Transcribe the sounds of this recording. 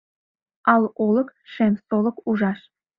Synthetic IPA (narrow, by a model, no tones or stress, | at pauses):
ɑlˠolˠɤ̆kʃemsolˠɤ̆kuʒɑʃ